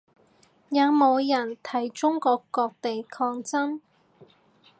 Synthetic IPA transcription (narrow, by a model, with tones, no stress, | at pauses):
jɐː˨˧wmo˨˧wjɐ˨˩nt̪ʰɐ˨˩jt͡sʊ˥ŋkɔː˧kːɔː˧k̚t̪e˨jkʰɔː˧ŋt͡sɐ˥n